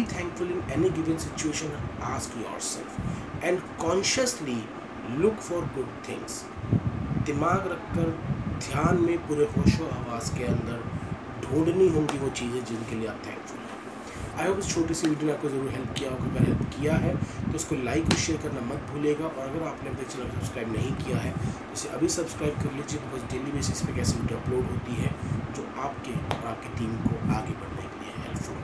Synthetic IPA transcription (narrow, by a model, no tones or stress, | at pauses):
it̪ʰɛ̃ːŋkfʊlɪ̃nɛniɡɪʋɪ̃ŋsɪt͡ʃueːʃə̃naːskjɔ̰ːɾsɛ̰lfɛ̃ɳɖkɔ̃ːnʃəsli | lʊkfɔːɾɡʊɖ̚t̪ʰɪ̰̃ŋs | d̪ɪmaːɡɾɐkʰːəɾd̪ʱjaːnmẽpuːɾexʊʃoaːʋaːzkeɐ̃nd̪əɾ | ɖʱũːɳɖniɦõːɡiʋot͡ʃiːzɛ̃d͡ʒɪnkelieaːp̚t̪ʰɛ̰̃ːŋkfʊlɦɛ̰̃ː | aːɪɦoːbɪst͡ʃʰoːʈesiʋiːɖijənaːp̚kozɐɾuːɾɦɛlp̚kijaɦoːɡaɐɡɐɾɦɛlpkijaɦɛt̪oɪskolaːɪkːoʃeːəɾkɐɾnamɐt̪̚bʱuːleːɡaʔɔːɾɐɡəɾaːpnẽɐbd̪eːk̚t͡ʃenaːpsɐb̥skɾaːɪbnɐɦĩkijaɦɛt̪oɪseʔɐbʱisɐbskɾaːɪb̚kɐɾled͡ʒiet̪obɐsɖeːlibeːsɪspekɛːseʋiːɖjoɐploːɖɦoːt̪iɦɛd͡ʒoːaːpkeɔːɾaːp̚keʈiːmkoaːɡebɐɽ̤nekelieɦɛ̰lfõ̰ː